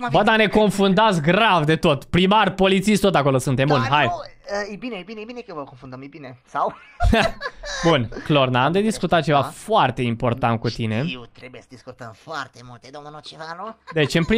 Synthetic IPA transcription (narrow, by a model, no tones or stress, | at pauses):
bəd̪ane̞ko̞nfund̪at̪sɡɾavd̪e̞t̪o̞t̪pɾimarpo̞lit̪siʃt̪o̞t̪ako̞lo̞sunt̪embunɦajəebineejbineejbinekəvəkonfund̪əmejbinesaw | bunklornaamd̪ed̪iskut̪at̪̚t͡ʃevafoart̪e̞impo̞rt̪ant̪̚kut̪ine̞ewt̪ɾebujesəd̪iskut̪əmfoart̪emult̪ed̪omonot͡ʃevanud̪e̞t͡ʃɨnpɾi